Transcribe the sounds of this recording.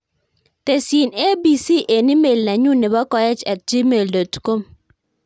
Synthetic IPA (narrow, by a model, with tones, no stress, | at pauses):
te˨si˨ne˦bi˨si˦ʔe˨ni˦me˨lna˨ɲu˦nɛ˨bɔ˦kɔ˦jɛ˦t͡ʃɛ˨t̚d͡ʒi˦me˨ldɔ˨tkɔ˦m